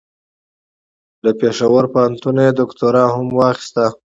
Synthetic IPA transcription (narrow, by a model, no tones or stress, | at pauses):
ləpeʂawəɾpaant̪unaed̪ʊkt̪oɾɑhamwɑxi̥st̪a